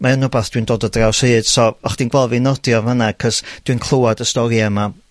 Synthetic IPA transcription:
mʔaənɔbaθd̥wiɨndoːdədrawshɨːd̥sɔɔχd̥inɡwvɛlˠvinɔdjɔvənakʰəsd̥wɨnkʰlˠowadəstɔɾiɛma

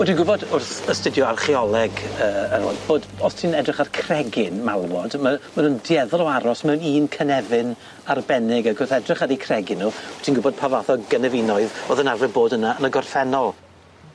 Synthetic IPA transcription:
wɛdinɡʊbɔdʊrθəstɪdjɔarχiɔlˠɛɡəːəɾɔ̰ːb̥oːdɔstʰiːnɛdrɪχarkʰrɛɡɪnmalˠmɔdmamənundjɛðɔlˠɔaɾɔsmɛwniːnkʰənɛvɪn | arbɛnɪɡaɡʊrθɛdrɪχaɾikʰrɛɡɪnːutʰinɡʊbɔd̚pʰavaθɔɡənɛvɪnɔɨðoðənarvɛboːdənaənəɡɔrfɛnɔlˠ

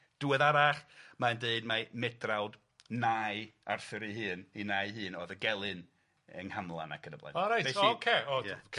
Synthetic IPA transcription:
d̥uɛðaɾaχmaəndeɨdmamɛdrawd | najarθɨɾiɦɨːninajɦɨːnoːðəɡɛlˠɨn | əŋhamlˠa̰na̰kʰənəblˠa̰nɔɾajokʰeːɔjakʰ

